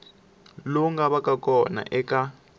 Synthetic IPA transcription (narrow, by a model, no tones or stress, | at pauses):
loŋɡaβakakɔna̰ʔɛka